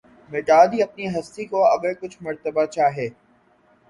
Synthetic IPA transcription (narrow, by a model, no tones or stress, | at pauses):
meʈaːd̪iɐp̚niɦɐst̪ikoɐɡəɾkʊt͡ʃʰmɐɾt̪əbat͡ʃaːɦeː